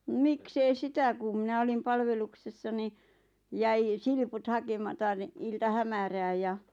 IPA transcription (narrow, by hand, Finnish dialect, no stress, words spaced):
miks ei sitæ kum mĭnæ olim pɑlʋeluksesːɑ ni jæi silput hɑkemɑtɑ ni iltɑhæmæræːj jɑ